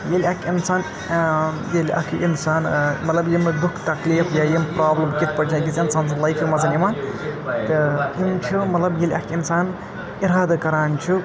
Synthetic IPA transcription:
jelʲɐkʰinsaːn | jelʲɐ̰kʰinsaːnmɐt̪lɐbjimɨd̪ukʰt̪ɐkliːfjajimpɾaːblɐmkit̪̚ʰpɐt͡ʃʰikit͡sinsaːnt͡sʰɨlɐjkʰimɐzɐnimaːn | t̪ɨunt͡ʃʰumɐt̪lɐbjelʲɐkʰinsaːn | iɾaːd̪ɐkɐɾaːnt͡ʃʰu

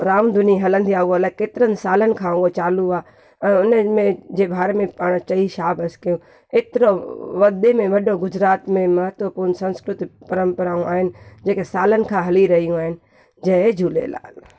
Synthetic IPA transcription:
ɾaːmd̪ʱʊniɦɐlə̃nd̪ʱiaːuəlakeːt̪ɪɾənsaːlənɪ̆kʰãot͡ʃaːluãː | ʊnmẽd͡ʒeːbʱaːɾmẽpaːɽ̃t͡ʃɐiʃaːbɐskijũ | eːt̪ɪɾoʋɐd̪emẽʋɐɗoɡʊd͡ʒɾaːt̪mẽmɐɦət̪ʋəpuɾnsɐ̃nskɾʊt̪ipɐɾə̃mpəɾaːũʔaːɦɪnɪ̆d͡ʒeːkesaːlənɪ̆kʰãɦɐliɾɐɦijũaːɦɪnɪ̆ | d͡ʒɐ̃d͡ʒʱuːlḛːla̰ːl

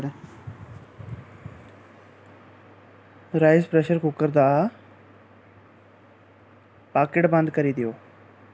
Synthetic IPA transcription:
ɽ | ɾaːɪspɾɛʃəɾkʊkːəɾd̪aː | paːkeʈbə̃nd̪kəɾiːd̪ɪjoː

